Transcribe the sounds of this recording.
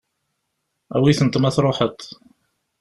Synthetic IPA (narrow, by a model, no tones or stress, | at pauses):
æ̰wiθənt̪ˤmæθɾˤoħət̪ˤ